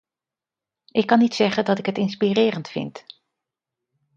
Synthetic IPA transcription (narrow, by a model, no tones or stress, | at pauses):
ʔɪkːɑnitsɛχəndɑtɪkɦətɪnspirɪːrəntfɪ̰nt